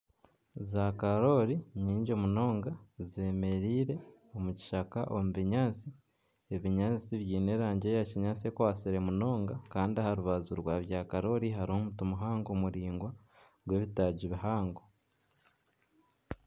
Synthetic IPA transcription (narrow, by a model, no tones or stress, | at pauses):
zakaɾo̞ɾiɲiːɲɟo̞muno̞ːŋɡaze̞me̞ɾiːɾe̞ | omuci̥ʃakaʔomuβiɲaːt͡si | eβiɲaːt͡siβjiːne̞ːɾaːɲɟe̞jaciɲaːt͡sie̞ːkwaːsiɾe̞muno̞ːŋɡakaːndiahaɾuβazuɾwaːβjaːkaɾo̞ɾiɦaɾio̞mutumuɦaːŋɡo̞muɾiːŋɡwa | ɡwe̞ːβitaːɟiβiɦaːŋɡo